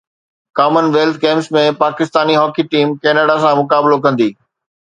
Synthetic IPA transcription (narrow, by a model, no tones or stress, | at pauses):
kaːmənʋeːlt̪̚kẽːmpsmẽpaːkɪst̪aːniɦɔːkiʈiːmkeːnaɽas̬ãmʊkaːblok̬ɐ̃nd̪iː